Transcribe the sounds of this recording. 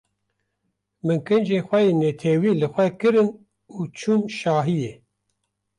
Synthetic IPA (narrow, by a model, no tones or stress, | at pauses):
mɨŋkɨnd͡ʒeːxʷɛjeːnet̪ʰɛwiːlɨxʷɛkɨɾɨn | uːt͡ʃʰuːmʃaːɦijeː